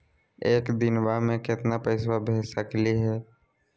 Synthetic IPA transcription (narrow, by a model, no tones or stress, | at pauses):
eːkd̪ɪnwamẽkɪt̪napəɪswabʱeːsakliɦɛː